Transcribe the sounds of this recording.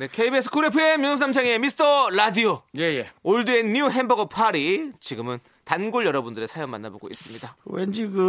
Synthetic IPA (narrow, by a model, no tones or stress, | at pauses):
ne̞kʰeibesʰkʰuɾepʰɯemjʌnsʰnamt͡ɕʰaŋemisʰɯ̥tʰʌɾadiojejeoɭduenːiuɦenbʌɡɯpʰaɾit͡ɕiɡɯmɯn | tanɡoɭjʌɾʌbundɯɾe̞sʰajoŋma̰nːaboɡo̰is͈ɯmɲidawend͡ʑiɡɯ